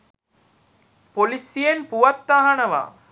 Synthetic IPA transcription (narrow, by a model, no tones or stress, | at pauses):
polisijenpuʋɐt̪ːaːɦɐnɐʋa̰ː